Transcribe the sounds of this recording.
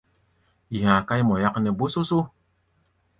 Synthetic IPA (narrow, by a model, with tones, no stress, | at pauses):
i˨hã˨ka˦jmɔ˨ja˦knɛ˨bo˦so˦so˦